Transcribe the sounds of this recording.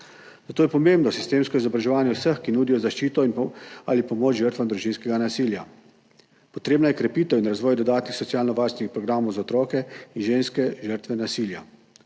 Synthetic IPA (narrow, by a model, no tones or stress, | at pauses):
zat̪oːjɛpɔmembnɔsist̪eːmskɔizɔbɾaʒɛʋaːnjɛwsəxkinuːd̪ijɔzaʃt͡ʃiːt̪ɔinalipɔmoːt͡ʃʒəɾt̪ʋamd̪ɾuʒiːnskɛɡanasiːlja | pɔt̪ɾeːbnajɛkɾɛpiːt̪əwinɾazʋɔːjd̪ɔd̪aːt̪nixsɔtsjaːlnɔʋaːɾst̪nixpɾɔɡɾaːmowzaɔt̪ɾɔːkɛinʒeːnskɛʒəɾt̪ʋɛnasiːlja